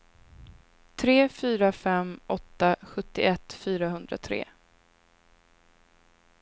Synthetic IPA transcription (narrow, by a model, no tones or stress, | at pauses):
t̪ʰɾeːfyːɾafɛmːɔt̪ːaɧɵt̪ːɪ̰ɛt̪ːfyːɾaɦɵnd̪ɾa̰t̪ʰɾḛː